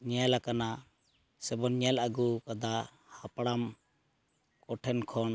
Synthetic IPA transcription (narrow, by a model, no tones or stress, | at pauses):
ɲɛlakana | sɛbɔnɲɛlaɡukad̪a | hapɽam | kɔʈʰɛnkʰɔn